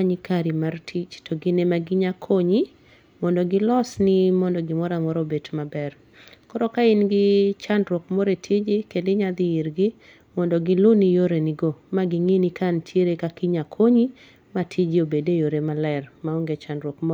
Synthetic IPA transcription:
aɲikaɾimartʰit͡ʃtɔɡɪnemaɡɪɲakʰoɲi | mɔndɔɡɪlɔsnɪmɔndɔɡɪmɔɾamɔɾɔbetmabɛr | kɔɾɔkaɪnɡɪt͡ʃandɾwɔkmɔɾetʰid͡ʒɪkedɪɲad̪ɪiɾɡɪ | mɔndɔɡɪlʊnijoɾeniɡomaɡɪŋinikʰantʰjeɾekakɪɲakʰoɲi | matʰid͡ʒiobedejoɾemalɛrmaɔŋɡet͡ʃandɾwɔkmɔ

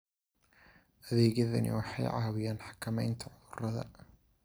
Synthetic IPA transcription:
ʔɐðeːɣɐðɐnɪ̰wɑħɑ̰jʕɑːwɪjaːnħḁkʰːɐmɛjnt̪ʰɐʕʊðʊɾɐðɐ̰

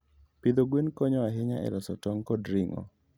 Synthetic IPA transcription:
pɪd̪oɡwenkɔɲɔaɦɪɲaʔɛ̰ɾɔsɔtɔŋkɔdɾɪŋɔ̰

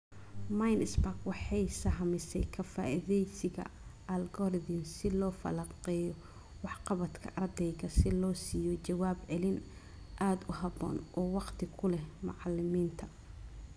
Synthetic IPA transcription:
majnɪsbakwɑħɑjsɐɦɐmɪsɛ̰jkʰɐfa̰ːʔɪðɛjsɪɣɐ̰ | ɐlɡɔrðɪnsɪlɔːfɐ̰lɑqɛːjɔ | wɑħqɑβɐt̪kʰɐ̰ʔɐrd̪ɛjɣɐsɪlɔːsiːjɔt͡ʃɐwaːbʕɛlɪn | ʔaːd̪ʊɦɑbɔ̰ːnʔɔːwɑqt̪ʰɪkʰʊlɛmʊ̰ʕɑlːɪmiːnt̪ʰɐ̥

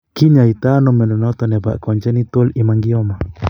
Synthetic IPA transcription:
kiɲait̪anɔmɛnɔnɔt̪ɔnɛba̰ʔkɔɲd͡ʒɛnit̪olimaŋɡiɔma

